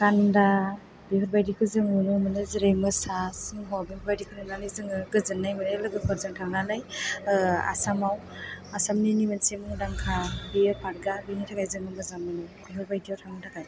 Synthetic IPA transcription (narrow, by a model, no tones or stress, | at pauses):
kanda | biɦɔɾbajdikʰɯzɯŋɯnɯmɯnɯziɾajmɯsasɯŋɦɔbihɔɾbajdikʰɯnɯnanɯzɯŋɯɡɯzɯnːajmɯnelɯɡɯpʰɯɾzɯŋtʰaŋnanaj | a̰samaw | asamninimɯnsemɯŋdaŋkʰabijɯpʰaɾɡabinatʰakajzɯŋmɯɡɯzamɯnɯbiɦɔɾbajdijawtʰaŋnɯtʰakʰaj